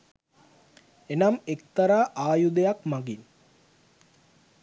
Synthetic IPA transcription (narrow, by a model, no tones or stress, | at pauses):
enamekt̪aɾaːʔaːjud̪ejakmaɡin